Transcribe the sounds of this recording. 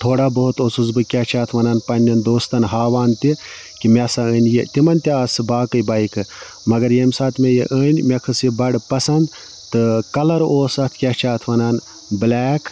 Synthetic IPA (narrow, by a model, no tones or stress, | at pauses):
t̪ʰoːɽaːbɐɦut̪oːsuzbɨkʲat͡ʃʰaːt̪ʰʋɐnɐːnpɐnʲːɐnd̪oːst̪ɐnɦaːʋaːnt̪i | kimesaəːnʲjet̪imɐnt̪ʲiaːsɨbaːkɨjbɐːikʰɨ | mɐɡɐɾjemʲsaːt̪ʰmʲejiʔəːnʲmekʰɨsibɐɽpɐsɐnd̪ | t̪ɨkɐlɐɾoːsɐt̪ʰkʲat͡ʃʰaːt̪ʰʋɐnɐn | blɛːk